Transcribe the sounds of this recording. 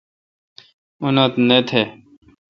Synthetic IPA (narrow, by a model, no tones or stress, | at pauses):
unot̪net̪ʰe